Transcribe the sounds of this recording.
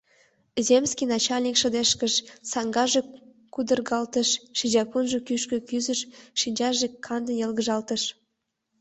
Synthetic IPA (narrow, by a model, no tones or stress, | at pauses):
zemskʲijnɑt͡ɕɑlʲnʲikʃə̆d̪eʃkə̆ʃsɑŋɡɑʒe | kud̪ə̆rɣɑlt̪ə̆ʃʃid͡ʑɑpunʒĕkyʃkø̆kyzə̆ʃʃinʲd͡ʑɑʒekʰːɑnd̪ənjɤlɣəʒɑlt̪ə̆ʃ